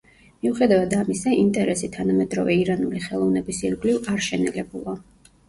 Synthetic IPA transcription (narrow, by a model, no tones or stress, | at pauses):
miuχɛd̪avad̪amisaʔint̪ʼɛɾɛsit̪ʰanamɛd̪ɾɔvɛiɾanuliχɛlˠɔvnɛbisiɾɡlivaɾʃɛnɛlɛbulˠa